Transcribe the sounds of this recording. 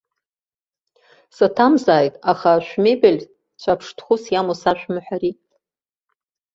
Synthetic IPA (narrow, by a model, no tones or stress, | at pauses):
satʰamzaːjtʼaχaʃᶣʷme̞jbelʲ | t͡ɕʷʰapʰʂtʰχʊsjamosaʃᶣʷmɨħʷᶣaɾi